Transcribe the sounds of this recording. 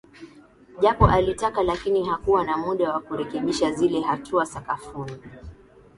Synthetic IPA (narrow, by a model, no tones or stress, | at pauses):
ʄapɔʔalitakalakiniɦakuwanamuɗawakuɾɛkɛɓiʃazilɛɦatʰuasakafuni